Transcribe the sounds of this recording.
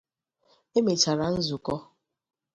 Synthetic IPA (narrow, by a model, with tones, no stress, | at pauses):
e˦me˨t͡ʃa˨ɾa˨n̩˦zʊ˨kɔ˦